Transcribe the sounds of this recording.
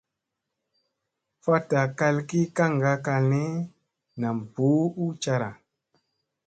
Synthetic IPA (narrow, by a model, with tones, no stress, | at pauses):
fa˦ta˨ka˧lki˦ka˦ŋ˨ɡa˦ka˧lne˦ | na˨mpu˨˦u˦t͡ʃa˧ɾa̰˨